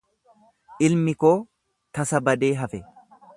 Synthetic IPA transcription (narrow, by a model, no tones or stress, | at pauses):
ʔɪlmɪkoː | t̪ɐsɐbɐd̪e̞ːɦɐfɛ